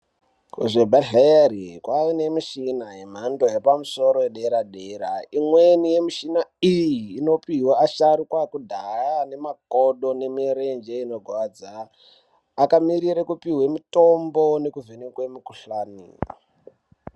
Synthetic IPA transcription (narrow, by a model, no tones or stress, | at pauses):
kṵʐebʱaɮerikwainemiʃinaɦem̤ando̞jepamuso̞ɾojeɗeɾaɗeɾaimwenije̞miʃinaijiːno̞piwaaʃaɾikwakudʱajane̞makoɗo̞ne̞miɾend͡ʒeino̞ɡʱwad͡zaː | kamiɾiɾekupiɦwemito̞mbo̞ne̞kuvenekwemukuɬaːnḭ